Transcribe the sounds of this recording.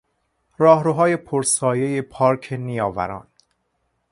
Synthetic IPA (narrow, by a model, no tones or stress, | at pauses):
ɾɒːhɾoɦɒːje̞pʰoɾsɒːje̞jepʰɒːɾkʰenijɒːvæ̰ɾɒ̰ːn